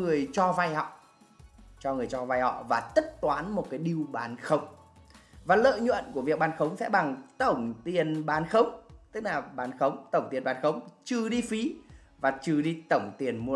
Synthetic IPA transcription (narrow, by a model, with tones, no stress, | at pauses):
ŋɨ˨˩əjt͡ɕɔ˧va˧jhɔ̰˧˨ | t͡ɕɔ˧ŋɨ˨˩əjt͡ɕɔ˧va˧jhɔ̰˧˨vaː˨˩t̪ə˦˥t̚t̪waː˨˦nmo˨˩t̚kaː˨˦jɗi˧wɓaː˨˦nxə˨˧˦wŋ͡m | vaː˨˩lə̰ː˧˨jɲwə̰˧˨nku˧˩əvi˨˩ək̚ɓaː˨˧˦nxə˨˦wŋ͡msɛ̰˧˥ɓa˨˩ŋt̪ə˧˩wŋ͡mt̪i˨˩ənɓaː˨˦nxə˨˦wŋ͡mt̪ɨ˦˥k̚laː˨˩ɓaː˨˦nxə˨˦wŋ͡mt̪ə˧˩wŋ͡mt̪i˨˩ənɓaː˨˦nxə˨˦wŋ͡mt͡ɕɨ˨˩ɗi˧fi˨˦ | vaː˨˩t͡ɕɨ˨˩ɗi˧t̪ə˧˩wŋ͡mt̪i˨˩ənmu˧